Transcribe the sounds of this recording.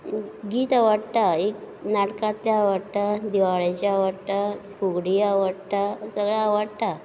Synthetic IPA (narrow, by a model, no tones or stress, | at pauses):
ɡiːt̪aʋəɽt̪aek | naʈkãt̪ljaʋəɽt̪ad̪iʋaɭat͡ɕaaʋaɽt̪akuɡɽiaʋaɽt̪asəɡɭaːʋəɽt̪a